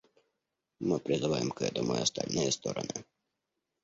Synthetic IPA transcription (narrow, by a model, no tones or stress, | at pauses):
mɨpɾʲɪzɨʋajɪmkɛ̰d̪ɔmɔjɐst̪a̰lʲnɨjɛst̪ɔɾɔ̰nɨ